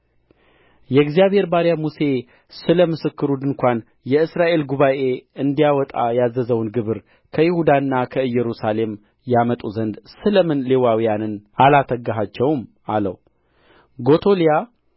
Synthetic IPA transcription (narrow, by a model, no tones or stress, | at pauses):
jɛɡzijaβhe̞ɾbaɾjamuse̞ | sɨləmɨsɨkːɨɾud̪ɨnkʷan | jɛɨsɾaʔe̞lɡuβaʔe̞ɨnd̪ijawɔt̪ʼa̰jazəzəwnɡɨβɨɾ | kʰəjɪhud̪anːakʰəɨjːɛɾusale̞m | jamət̪ʼuzənd̪sɨləmɨnlewawijanɨnalat̪ʰəɡaɦat͡ʃːɛwm | alə̰w | ɡo̞t̪ʰo̞lija